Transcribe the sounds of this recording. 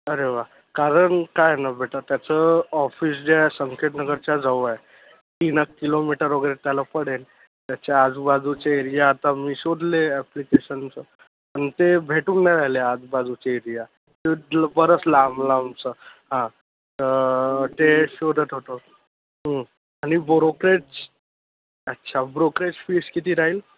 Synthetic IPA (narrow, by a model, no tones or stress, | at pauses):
əɾeʋa | kaɾəɳkajnabʱeʈat̪jat͡səɔfiːs̬d͡ʑesəŋkʰeʈnəɡəɾt͡ɕjad͡zʱaʋae | t̪inəkːilomiʈəɾoɡɾet̪jalapəɽen | t̪jat͡ɕead͡zubad͡zut͡ɕeiɾijaːt̪amiːɕoɽleæplikeɕənt͡sə | pənit̪ebʱeʈuːnːaɾajlead͡zbad͡zut͡ɕeiɾija | t̪elbəɾət͡slamlamt͡səɦã | əʈeɕod̪ət̪oʈ̪o | ɦə | añibɾokɾeʈt͡s | ətːɕʰabɾokɾet͡sfiskit̪iːɾaɦiːl